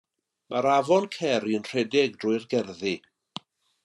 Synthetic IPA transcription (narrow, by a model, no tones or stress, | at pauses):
mʔaɾavɔnkʰɛɾiənr̥ɛdɪɡ̚drʊɨrɡɛrði